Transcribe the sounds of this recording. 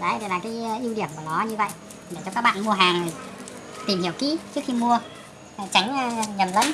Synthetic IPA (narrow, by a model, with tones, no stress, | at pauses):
ɗə˨˦jt̪ʰe˨˩laː˨˩kaː˨˦jʔi˧wɗi˧˩əmku˧˩nɔ˨˦ɲɨ˧və̰˧˨j | ɗe˧˩t͡ɕɔ˧kaː˦˥k̚ɓa̰ː˧˨nmu˧əɦaː˨˩ŋ˨˩j | t̪i˨˩mhi˧˩əwkḭ˧˥t͡ɕɨ˦˥əkxi˧mu˧ə˨˩ | t͡ɕa˨˦jŋ̟ː˧ɲə˨˩mlə̰˧˥n